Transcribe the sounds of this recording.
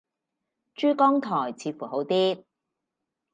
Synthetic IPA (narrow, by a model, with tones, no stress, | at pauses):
t͡ʃyː˥kɔː˥ŋt̪ʰɔː˨˩jt͡sʰiː˨˧fuː˨˩ɦo˨˥wt̪iː˥t̚